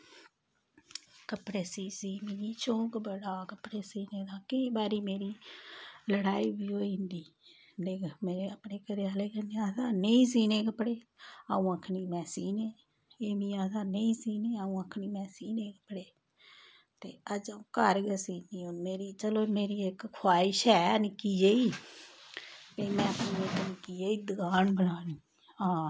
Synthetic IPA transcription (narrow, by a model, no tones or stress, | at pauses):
kəpɽeːsiːsiːmiːiːt͡ʃõːkbəɽaːkəpɽeːsiːnẽːd̪ãːkɪĩːbaːɾiːmeːɾiː | ləɽaːiːbiːɦoːĩnd̪iː | leːkmeːɾeːəpɽeːkəɾeaːleːkəneaːsaːneĩːs̬iːneːk̬əpɽeːaːũːəkʰniːmɛːsiːneː | eːmĩːãːsaːneĩːsiːneːaũːəkʰniːmɛːsiːneːkəpɽeː | t̪eːəd͡ʒəũːkəɾɡəsiːniːoːnmeːɾiːt͡ʃəloːmeːɾiːɪkkʰwaːɪʃɛːnɪkiːd͡ʒeiː | kəiːmɛ̃ːəpniːek̪ənɪkiːd͡ʒeːiːd̪əɡaːnbənaːnĩː | ãː